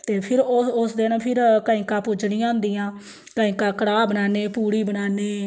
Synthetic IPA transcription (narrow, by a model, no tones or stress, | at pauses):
t̪eːpʰɪɾʊsd̪eːnːpʰɪɾkaːĩːkãːpʊd͡ʒɽĩːãːnd̪iːãː | kãːĩːkãːkəɽaːbənaːneːpuːɽiːbənaːneː